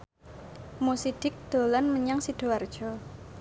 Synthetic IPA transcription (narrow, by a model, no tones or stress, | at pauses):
musid̪̥ɪk̚d̪̥o̤lanməɲaŋsid̪̥o̤ard̥ʒ̥ɔ